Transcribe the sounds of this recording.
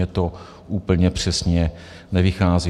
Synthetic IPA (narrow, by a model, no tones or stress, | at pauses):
ɛt̪o | ʔuːpl̩ɲɛpr̝̥ɛsɲɛ | nɛvɪxaːzi